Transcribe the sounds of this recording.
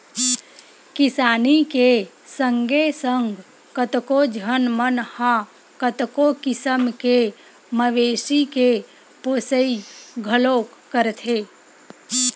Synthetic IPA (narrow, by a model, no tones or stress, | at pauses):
kɪsaːnike | sə̃ŋɡesəŋɡ | kət̪kod͡ʒʱənmənhã | kət̪kokɪsəmke | məʋeːsike | poːsəiɡʱəloːkːəɾt̪ʰeː